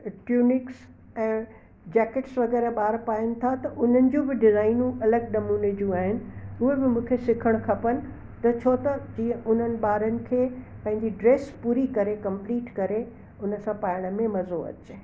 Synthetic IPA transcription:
ʈjuːnɪks | ɛ̃ː | d͡ʑɛːkeʈsʋɐɡɛːɾaɓaːɾpaːjənɪ̆t̪ʰat̪ɐʔʊn̤ənɪ̆d͡ʑũbɪɖɪzaːɪnũʔɐləɡ̚ɗɐmuːned͡ʑũaːɦɪnɪ̆ʊɦebɪmũːkʰesɪkʰəɽ̃kʰɐpənɪ̆ | t̪ɐt͡ɕʰoːt̪ɐd͡ʑiːə̃ʔʊn̤ənɪ̆ɓaːɾənɪ̆kʰeː | pɐ̃ɦɪ̃ɲd͡ʑiɖɾeːspuːɾikɐɾekɐ̃mpliːʈkɐɾe | ʊnəsãpaːɾɪɽ̃əmẽmɐzoɐ̰t͡ɕe

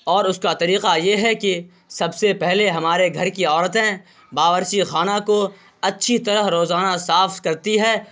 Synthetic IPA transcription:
ɔːɾʊskat̪ɐɾiːqajeɦɛki | sɐbsepɛɦleɦɐmaːɾeɡʱɐɾkiɔːɾət̪ɦɛ̃ | baːʋəɾʃixaːnako | ɐtːʃʰit̪ɐɾəɦɾoːzaːnasaːfkɐɾt̪iɦɛː

